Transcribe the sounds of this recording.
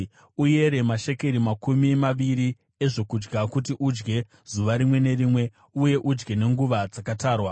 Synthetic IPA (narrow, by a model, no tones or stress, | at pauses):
uje̞ɾe̞maʃe̞ke̞ɾimakumimaʋiɾi | e̞ʐo̞kud͡ʒɡakutiʔud͡ʒɡe̞ | z̥uʋaɾimwe̞ne̞rimwe̞ | uje̞ʔud͡ʒɡe̞ne̞ŋɡuʋad͡zakataːrwa